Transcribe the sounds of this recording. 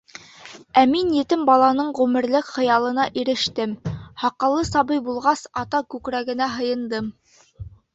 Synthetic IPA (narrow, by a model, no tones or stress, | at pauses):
æminjɘ̆t̪ɘmbɑlˠɑnɤɴʁʉmɘ̆ɾlɘkχɤ̆jɑlˠɤ̆nɑʔiɾɘ̆ʃt̪ɘmhɑqɑ̆lˠːɤsɑbɤjbulˠʁɑsɑt̪ɑkʉkɾæɡɘ̆næɦɤ̆jɤ̆nd̪ɤm